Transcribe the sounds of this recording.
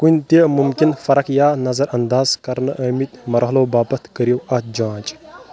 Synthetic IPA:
kunʲt̪imumkinfɐɾɐkjaːnɐzɐɾʔɐnd̪aːzkɐɾnɐʔɐmit̪̚ʲmɐɾɦɐloːbaːpɐt̪ʰkəɾjowɐt̪̚d͡ʒãːt͡ʃʼ

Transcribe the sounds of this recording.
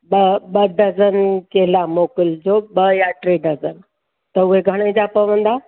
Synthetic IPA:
bəbəɖəd͡zənkelamokəld͡zobəjaʈɾeɖəzən | t̪əueɡʱəɽ̃ẽd͡ʑapəʋənd̪a

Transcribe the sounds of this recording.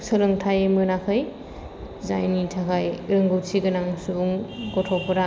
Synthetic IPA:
salɯŋtʰajmɯnakʰɯj | za̰jnitʰakʰajɾɯŋɡɯwsʰiɡɯnaŋsubuŋɡɔtʰɔpʰɯɾa

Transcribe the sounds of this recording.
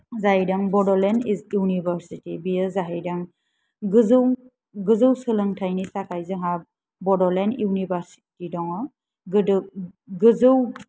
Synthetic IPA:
zaɦidaŋbɔdɔlɛnijunibʱaɾsitibijəzaɦajdaŋ | ɡzw | ɡɯzɯwsɯlɯŋtʰajnisakajzɯŋɦa | bɔdɔlɛniwnibaɾsi̥tidɔŋɔ | ɡɯzɯw

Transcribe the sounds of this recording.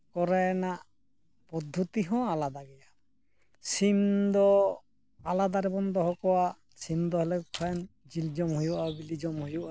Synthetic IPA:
kɔɾanaʔ | pɔd̪ʱːut̪iɦɔ̃alad̪aɡɛja | simd̪ɔ | alad̪aɾɛbɔnd̪ɔɦɔkɔwaʔ | simd̪ɔɦɛlɛkʰɔjnd͡ʒild͡ʒɔmɦujuʔabilid͡ʒɔmhujuʔa

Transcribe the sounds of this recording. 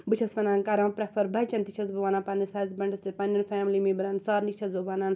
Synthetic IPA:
bɨt͡ʃʰɐsfɐnaːnkɐɾãːpɾɐfɐɾbɐt͡ʃɐnt̪it͡ʃʰɐzbɐʋaːnaːnpɐnisɐːzbɐɳɖɐst̪ipɐninfaːmlimibɐɾɐnsaːɾnit͡ʃʰɐzbɐʋaːnan

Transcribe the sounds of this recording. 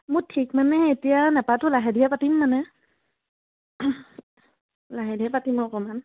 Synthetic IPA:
mutʰik̚manɛetijanapatʊlaɦɛdijapatimːanɛ | laɦɛdiɛpatimɔkɔman

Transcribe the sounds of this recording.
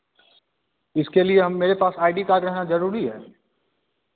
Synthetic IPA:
ɪskelieɦɐmːeːɾepaːsaːɪɖikaːɾɾɛɦnazɐɾuːɾiɦɛː

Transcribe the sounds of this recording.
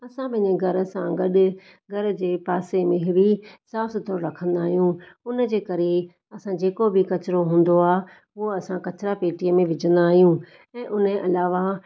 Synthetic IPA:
ɐsãbɪɦɪ̃ɲeɡʱɐɾə̆sãɡɐɗʊ | ɡʱɐɾ̆d͡ʑeːpaːsemɪ̃ɦʋisaːst̪ʰoːɾɾɐkʰə̃nd̪aːɦijũʊnəd͡ʑeːkɐɾe | ɐsãd͡ʑeːkobʱikɐt͡ɕɪɾoɦũːn̆d̪oaː | uoɐsãkɐt͡ɕɾapeːʈiəmẽʋɪd͡ʑə̃nd̪aːɦijũ | ɛ̃ːʔʊnəʔɐlaːʋa

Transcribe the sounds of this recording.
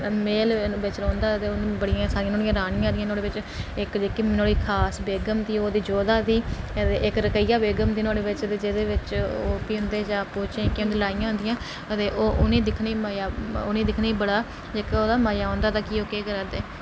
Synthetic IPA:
meːlʋɪt͡ʃlɔ̃ːnd̪aːt̪eːoːbəɽɪjãːsaːɾɪjãːnoːɽɪjãːɾaːɽ̃ɪjãːd̪ɪjãːnoːɽeːʋɪt͡ʃ | ɪkd͡ʒeːkimnoːɽiːkʰaːsbeːɡəmd̪iːoːd̪iːd͡ʒoːd̪aːd̪iː | t̪eːʔɪkɾəkəijaːbeːɡəmd̪iːnoːɽeːʋɪt͡ʃət̪eːd͡ʒeːd̪eːʋɪt͡ʃoːpiːɦʊ̃nd̪eːd͡ʒãːpoːt͡ʃẽkɪoːnd̪iːlaːɪjãːɦʊ̃nd̪ɪjãː | ət̪eːʔoːʔʊnẽːd̪ɪkʰneːmaːjaːoːnẽːd̪ɪkʰneːbəɽaː | d͡ʒeːkːoːd̪aːmaːjaːɦõːnd̪aːt̪aːkioːkeːɡəɾaːd̪eː

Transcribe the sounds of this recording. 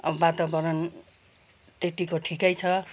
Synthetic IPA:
ʌbbat̪abʌɾʌn | tet̪ikoʈʰikajt͡sʰʌ

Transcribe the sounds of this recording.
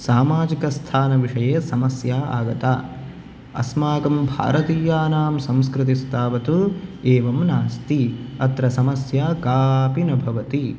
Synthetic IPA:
saːmaːd͡ʒikɐst̪ʰaːnɐʋiʂɐjeːsɐmɐsjaːa̰ːɡɐt̪aː | ɐ̰smaːɡɐmbʱa̰ːɾɐt̪iːjaːnaːmsɐ̃mskɾɨt̪̬ist̪ʰaːʋɐt̪ueːʋɐmnaːst̪iɐt̪ɾɐsɐmɐsjaːkaːpinɐbʱɐʋɐt̪i

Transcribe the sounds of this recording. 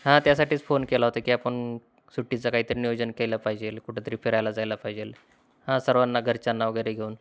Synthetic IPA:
ɦãt̪jasaʈʰiːt͡sfonkelaɦot̪akiːapəɳ | suʈːit͡sakaɦiːt̪əɾinijod͡ʑənkelapaɦid͡ʑelkuʈʰet̪əɾiːfeɾajlad͡zajlapaɦid͡ʑel | hãsəɾʋanːaɡʱəɾt͡ɕanːaʋəɡəjɾeɡʱeuːn

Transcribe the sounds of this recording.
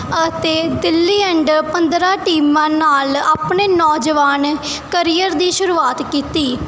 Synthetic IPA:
ət̪eːd̪ɪlːiːɛ̃ɳɖpənd̪ɾaːʈiːmãːnaːlaːpɳeːnɔːd͡ʒʋaːnkəɾiːjəɾd̪iːʃʊɾuːaːt̪kiːt̪iː

